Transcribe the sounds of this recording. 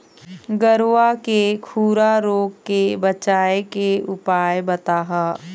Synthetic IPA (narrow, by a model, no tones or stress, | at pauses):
ɡəɾʋakekʰuːɾaɾoːɡkebɐt͡ʃaːekeʊpaːjbɐt̪aːɦaː